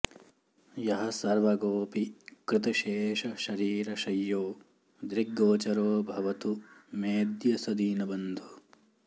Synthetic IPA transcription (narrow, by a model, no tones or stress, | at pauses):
jɐɦɐsɐɾʋɐɡoːpikɾɪt̪ɐʃeːʃɐʃɐɾiːɾɐʃɐjːoː | d̪ɾiɡːoːt͡ʃɐɾoːbʱɐʋɐt̪umeːd̪jɐsɐd̪iːnɐbɐnd̪ʱu